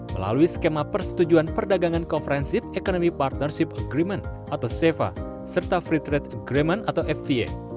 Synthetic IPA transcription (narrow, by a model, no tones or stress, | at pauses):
məla̰luisə̥kemapərsə̥t̪ud͡ʒuanpərdaɡaŋankonfəɾɛnsip̚ekonomipart̪̚nərsipəɡɾimənt̪̚ʔat̪awsefa̰ | sərt̪afɾit̪ɾɛt̪əɡɾimɛnat̪awʔɛfd̪iḛ